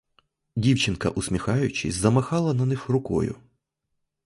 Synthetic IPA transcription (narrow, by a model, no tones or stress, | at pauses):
dʲiwt͡ʃɪnkɐ̰ʔʊsmʲixɑjʊt͡ʃɪsʲzɐmɐxɑlˠɐnɐnɪxrʊkɔ̰jʊ̰